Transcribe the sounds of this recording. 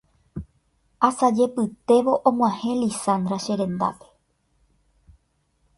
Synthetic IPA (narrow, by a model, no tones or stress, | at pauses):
asad͡ʒe̞pɨt̪e̞ʋo̞ʔõmw̃ʷãhẽ̞lisãnd̪ɾaʃe̞ɾẽ̞nd̪a̰pe̥